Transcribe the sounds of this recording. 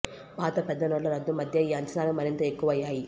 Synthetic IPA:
paːt̪ɐpɛd̪ːɐnoɽlːɐɾɐd̪ːumɐd̪ʱjɐiːɐɲt͡ʃɐnaːlumɐɾint̪ɐe̞kːuʋɐɐjːaːji

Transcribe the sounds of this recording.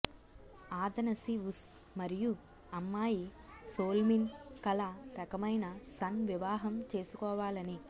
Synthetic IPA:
aːd̪ɐnɐsius | mɐɾiju | ɐmːaːji | soːlminkɐlɐɾɐkɐmɐjnɐsɐnʋiʋaːɦɐmt͡ʃe̞ːsu̥kɔːʋaːlɐni

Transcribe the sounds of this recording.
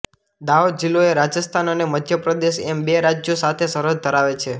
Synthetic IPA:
d̪aod̪d͡ʒilːoeɾad͡ʒəst̪ʰanəneməd̪ʱjəpɾəd̪eʃɛmbeɾad͡ʒjosat̪ʰesəɾəd̪̚d̪ʱəɾaʋet͡ʃʰe

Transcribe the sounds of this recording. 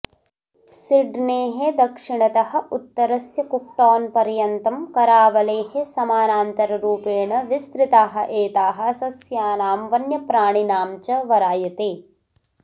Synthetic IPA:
siɖneːɦed̪ɐkʂiɳɐt̪ɐɦɐ̆ut̪ːɐɾɐsjɐkuk̚ʈaːnpɐɾjɐnt̪ɐmkɐɾaːʋɐleːɦesɐmaːnaːnt̪ɐɾɐɾuːpeːɳɐʋist̪ɾit̪aːɦɐ̰̆ʔeːt̪aːɦɐ̆ɐsɐsjaːnaːmʋɐnjɐpɾaːɳinaːmt͡ʃɐʋɐɾaːjɐt̪eː

